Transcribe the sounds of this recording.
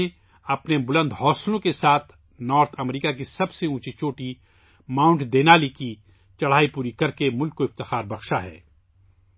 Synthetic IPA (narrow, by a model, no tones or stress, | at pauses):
e | ɐpnebʊlə̃nd̪ʱɦɔːslõkesaːt̪ʰ | nɔːɾt̪ʰɐmɾiːkak̬isɐbseũːt͡ʃit͡ʃoːʈi | maːʊ̃ɳʈd̪eːnaːliki | t͡ʃɐɽ̤aːipuːɾikɐɾkemʊlkːoɪft̪ɪxaːɾbɐxʃaɦɛ̰ː